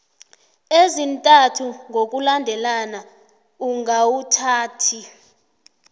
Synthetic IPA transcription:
ezintʼatʰuŋʱok̬ʼulandʱɛlana | uŋawutʰaːtʰi

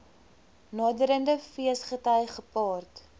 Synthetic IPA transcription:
nɑːdəɾəndəfiəsχətəjχəpɑːrt

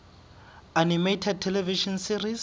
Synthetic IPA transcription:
animetʰɛd̚tʰɛlɛviʃɔnsiriz

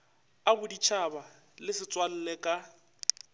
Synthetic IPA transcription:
abʊdit͡ʃʰaba | lɪsɪt͡sʼwal̩lɛkʼa

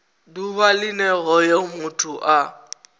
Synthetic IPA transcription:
duβalɪnɛɣɔjomʊtʰʼuʔa

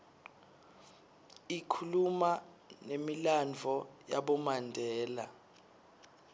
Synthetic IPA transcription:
ikʰuluma | nemiland͡ɮʱɔjaɓɔmandʱɛːla̰

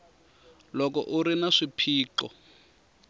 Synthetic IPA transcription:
lɔkɔ̰ʔuɾinaʂipʰiːǃɔ̰

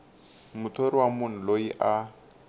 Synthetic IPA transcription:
mʊtʰoɾiwamʊn̩loiʔa

